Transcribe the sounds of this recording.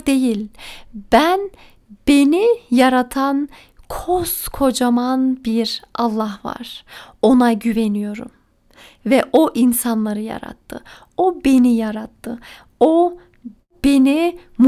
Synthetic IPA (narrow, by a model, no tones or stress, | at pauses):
d̪e̞jilʲb̥æn | b̥e̞nijaɾat̪ʰan | kʰoskʰo̞d͡ʒamanbiɾʔɑlˠːaɦva̰ɾ̥o̞naɟyvenyjo̞ɾṵm | vɛʔoʔinsanlˠaɾɯja̰ɾa̰t̪ʰːɯ̰ | obe̞nijaɾat̪ʰːɯ | o | b̥e̞nim